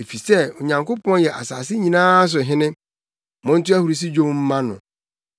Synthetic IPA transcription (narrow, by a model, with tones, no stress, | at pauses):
e˨fi˨sɛ˦o˨ɲã˨ŋko˦pɔ̃˦njɛ˨ʔa˨saː˨sɪ˦ɲĩ˨nãː˦s̬ʊ˨ɦɪ̃˦nɪ̃˦ | mʊ̃˦n̩˦tʊ˦æ˦hu˨ɾi˨s̬i˦d͡ʑõ˦m˦m̩˦mã˦nʊ̰̃˨